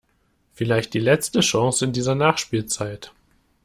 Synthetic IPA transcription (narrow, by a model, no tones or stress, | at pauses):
fɪlaɪçt̚d̥iːlɛt͡stəʃɔŋsɪndiːzɐnaːχʃpiːlt͡saɪt